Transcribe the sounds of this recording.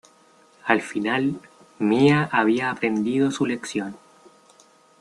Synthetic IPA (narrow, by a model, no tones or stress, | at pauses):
alfinal | miaʔaβiaːpɾe̞nd̪iðo̞sule̞ksjo̞n